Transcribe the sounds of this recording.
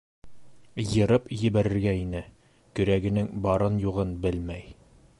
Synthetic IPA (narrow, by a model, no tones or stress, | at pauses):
jɤ̆ɾɤpjɘ̆bæɾɘ̆ɾɡæinɘ | kɵ̆ɾæɡɘ̆nɘŋbɑɾɤnjuʁɤnbɘlmæj